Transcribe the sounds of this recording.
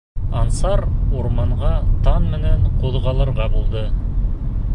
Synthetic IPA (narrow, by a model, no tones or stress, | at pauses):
ɑnsɑɾoɾmɑɴʁɑt̪ʰɑnmɘ̆neɴqʰoðʁɑlˠɤɾʁɑbulˠd̪ə